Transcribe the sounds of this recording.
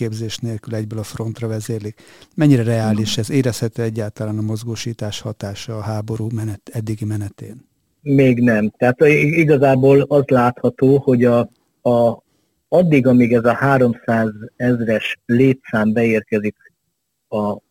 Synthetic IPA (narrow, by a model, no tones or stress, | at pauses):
eːbzeːʃneːlkylɛɟbøːlɒfro̞nt̪rɒvɛzeːlikmɛɲːiɾɛrɛaːliʃɛzeːɾɛshɛt̪øːɛɟːaːlt̪ɒlaːnɒmo̞zɡoːʃiːt̪aːʃhɒt̪aːʃɒːɦaːbo̞ɾuːmɛnɛt̪ɛd̪ːiɡimɛnɛt̪ḛːn | meːɡnɛmt̪ɛat̪iɡɒzaːboːlɒzlaːt̪hɒt̪oːho̞ɟɒ | ɒd̪ːiɡɒmiɡɛzɒhaːɾo̞msaːzɛzrɛʃleːt̪saːmbɛeːrkɛzik | ɒ